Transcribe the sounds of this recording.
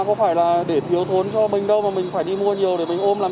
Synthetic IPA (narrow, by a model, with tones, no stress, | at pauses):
kɔ˨˦faː˧˩jlaː˨˩ɗe˧˩t̪ʰi˨˦əwt̪ʰo˨˦nt͡ɕɔ˧mï˨˩ŋ̟ɗə˧wmaː˨˩mï˨˩ŋ̟faː˧˩jɗi˧mu˧əɲi˨˩əwɗe˧˩mï˨˩ŋ̟ʔo˧mlaː˨˩